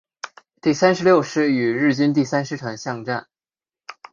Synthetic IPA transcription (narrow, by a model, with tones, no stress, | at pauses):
t̪i˥˩sa˥nʂɻ̩˧˥ljo˥˧ʊʂɻ̩˥˩y˨˩ɻɻ̩˥˩t͡ɕi˥nt̪̬i˥˩sa˥nʂɻ̩˧˥ʈ͡ʂʰa˧˥ŋɕjɑ˥˧ŋʈ͡ʂa˥˩n